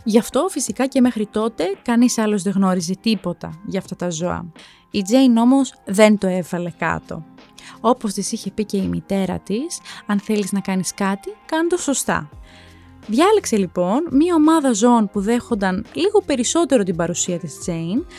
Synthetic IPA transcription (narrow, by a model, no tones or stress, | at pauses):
ʝɐft̪o̞fisikɐce̞me̞xɾit̪o̞t̪e̞kɐnisɐlo̞zðe̞ɣno̞ɾize̞t̪ipo̞t̪ɐ̰ʝɐːft̪ɐt̪ɐzo̞ɐ̰ | id͡ze̞jno̞mo̞sðe̞nt̪o̞evɐle̞kɐ̰t̪o̞̰o̞po̞st̪isiçe̞pice̞imḭt̪e̞ɾɐ̰t̪isɐnθe̞liznɐkɐniskɐt̪ikɐnd̪oso̞st̪ɐ̰ | ðʝɐlekse̞lipo̞nmɲɐo̞mɐðɐzoonpuðe̞xo̞nd̪ɐnliɣo̞pe̞ɾiso̞t̪e̞ɾo̞t̪ibɐɾusiɐt̪isd͡ze̞in